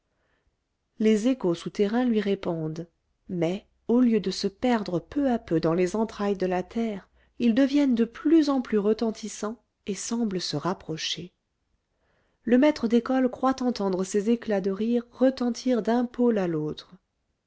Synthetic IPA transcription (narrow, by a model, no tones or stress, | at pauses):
lezekosut̪ɛʁɛ̃lɥiʁepɔ̃d̪ | mɛ | oljød̪əsəpɛʁd̪ʁəpøapød̪ɑ̃lezɑ̃t̪χajd̪əlat̪ʰɛʁ | ild̪əvjɛnd̪əplyzɑ̃plyʁət̪ɑ̃t̪ʰisɑ̃ | esɑ̃bləsəʁapχɔʃe | ləmɛt̪χəd̪ekɔlkχwat̪ɑ̃t̪ɑ̃d̪ʁəsezeklad̪əʁiʁːət̪ɑ̃t̪ʰiʁd̪ɛ̃polalot̪χə